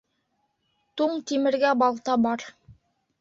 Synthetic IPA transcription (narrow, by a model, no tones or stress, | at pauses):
t̪uɴt̪imɘ̆ɾɡæbɑlˠt̪ɑbɑɾ